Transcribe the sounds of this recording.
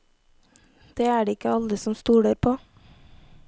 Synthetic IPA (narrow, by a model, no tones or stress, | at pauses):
d̪̥eːæːɖeːɪkəɑld̪əsɔmst̪uːɽəɾpʰoː